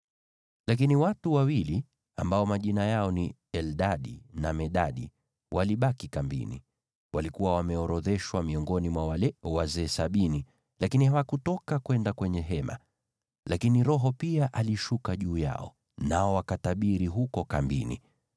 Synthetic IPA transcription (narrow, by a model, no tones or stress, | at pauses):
lak̬iniwatuwawili | a̰mbaɔmaʄinajaɔniɛlɗaɗinamɛɗaɗi | wʔaliɓakikambḭnḭ | walikuwawamɛɔɾɔðɛʃwamiɔŋɡɔnimwawalɛwazɛːsaɓini | lakinihawakutɔkakwɛndakwɛɲɛɦɛma̰ | lakiniɾɔɦɔpiaʔaliʃukaʄuːja̰ɔ̰ | naɔwakataɓiɾiɦukɔkambḭnḭ